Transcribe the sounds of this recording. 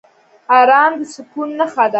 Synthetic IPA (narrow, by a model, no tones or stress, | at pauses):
aɾɑnd̪əsʊkunːəxad̪a